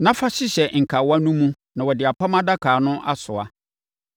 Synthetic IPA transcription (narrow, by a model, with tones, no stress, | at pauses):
nã˦fa˦ɕɪ˦ɕɛ˨ŋ̩˨kʰa˨wa˦nũ˦mũ˦ | nã˨wɔ˨dɪ˨a˨pa˦mã˦da˦kʰaː˨nʊ̃˦ʔa̰˦sʊ˨a̰˨